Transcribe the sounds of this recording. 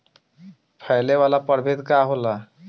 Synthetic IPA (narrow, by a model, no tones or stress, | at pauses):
pʰajlewalapʌɾbʱet̪kaɦola